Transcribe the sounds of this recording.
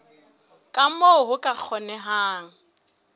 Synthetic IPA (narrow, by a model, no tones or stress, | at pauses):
kʼam̩moʊɦʊkʼak͡xʰɔnɛɦaːŋ̩